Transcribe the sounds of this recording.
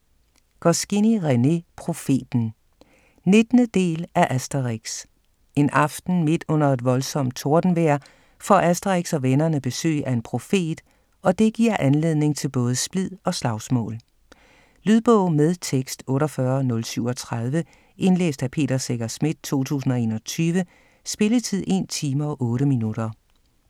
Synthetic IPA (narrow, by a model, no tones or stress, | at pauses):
ɡ̥ɒsɡ̥iniʁɛne̝pʰʁo̝fe̝̰ːd̥n̩ | ne̝d̥nəd̥e̝̰ːlæʔæsd̥ɐʁeɡ̥s | e̝nɑ̈fd̥n̩me̝d̥ɔ̽n̰ɐe̝d̥ʋɒ̽lsɒ̽m̰d̥̚t͡sʰo̝ɐd̥n̩ʋeɐ̰ | fɒ̰æsd̥ɐʁeɡ̥sɒ̽ʋenɐnəb̥e̝sø̰ːæe̝npʰʁo̝fe̝̰ːd̥ | ɒ̽d̥e̝ɡ̥iɐ̰ʔænle̝ðˠne̝ŋt͡sʰe̝lb̥ɔ̽ːð̞ˠəsb̥lið̰ˠɒ̽slɑ̈ʊsmɔ̰̽ːl | lyð̞ˠb̥ɔʊ̰með̞ˠt͡sʰeɡ̥sd̥ɔ̽ːɾɒfɶɐnɔ̽lsyʊ̰ɒ̽t͡sʰʁɑð̞ˠʋə | ʔe̝nlḛːsd̥æpʰe̝̰ːɾ̥ɐseɡ̥ɐsmid̥̚t͡sʰo̝̰ːt͡sʰṵːsn̩ɒ̽e̝̰ːnɒ̽t͡sʰyːʋə | sb̥e̝lət͡sʰið̞̰ˠe̝̰ːnt͡sʰiːmɐɒʔɔ̽ːɾəminud̥ɐ